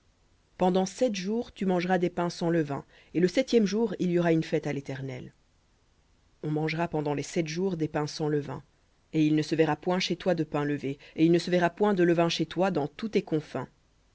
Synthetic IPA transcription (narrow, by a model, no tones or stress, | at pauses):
pɑ̃d̪ɑ̃sɛt̪ʒuːʁt̪ymɑ̃ʒʁad̪epɛ̃sɑ̃ləvɛ̰̃ | eləsɛt̪jɛmʒuːʁiljɔʁaynfɛt̪alet̪ɛʁnɛ̰l | ɔ̃mɑ̃ʒʁapɑ̃d̪ɑ̃lesɛt̪ʒuʁd̪epɛ̃sɑ̃ləvɛ̰̃ | eilnəsəvɛʁapwɛ̃ʃet̪wad̪əpɛ̃ləveeilnəsəvɛʁapwɛ̃d̪ələvɛ̃ʃet̪wad̪ɑ̃t̪ut̪ekɔ̃fɛ̰̃